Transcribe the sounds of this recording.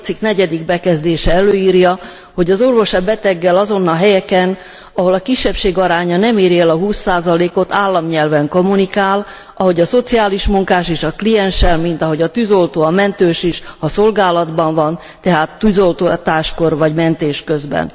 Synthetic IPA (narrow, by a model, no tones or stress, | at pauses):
t̪siknɛɟɛd̪iɡ̚bɛkɛzd̪eːʃɛɛløːiːrjɒ | ho̞ɟɒzo̞rvo̞ʃɒbɛt̪ɛɡːɛlɒzo̞nːɒɦɛjɛkɛn | ɒɦo̞lɒkiʃːɛpʃeːɡɒɾaːɲɒnɛmiːɾɛlɒɦuːsːaːzɒleːko̞t̪aːlːɒmɲɛlvɛŋko̞mːunikaːl | ʔɒɦo̞ɟɒso̞t̪siaːliʃmuŋkaːʃeːʃɒklijɛnʃːɛlmint̪ɒɦo̞ɟɒt̪yzo̞lt̪oːɒmɛnt̪øːʃiʃhɒso̞lɡaːlɒd̪bɒɱvɒn | t̪ɛɦaːt̪ːyzo̞lt̪o̰ːt̪aːʃko̞rvɒɟmɛnt̪eːʃkø̞zbɛ̰n